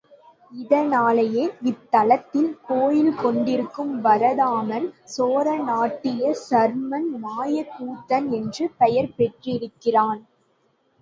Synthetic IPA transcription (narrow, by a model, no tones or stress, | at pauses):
ɪðɐnaːlɐjeːɪt̪ːɐlɐt̪ːɪlkoːjɪlkɔɳɖɪɾɯkːɯmʋɐɾɐðaːmɐnsoːɾɐnaːʈːɪjɐsɐɾmɐnmaːjɐkːuːt̪ːɐnɛndrɯpɛjɐɾpɛʈrɪɾɯkːɪraːn